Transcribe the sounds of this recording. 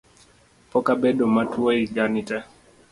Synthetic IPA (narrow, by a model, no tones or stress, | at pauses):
pɔkabɛɗɔmatuaiɡanitɛ